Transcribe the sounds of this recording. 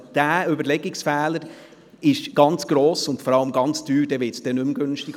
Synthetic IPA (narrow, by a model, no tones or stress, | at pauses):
d̥æːʏbəɾlɛɡɪksfɛːləɾ | ɪʃɡ̥ɑnt͡sɡ̥ɾɔːsʊndfɔɾɑləmɡɑnt͡sd̥yːɾd̥ɛːʋɪtsd̥ɛnʏmɡønʃtɪɡ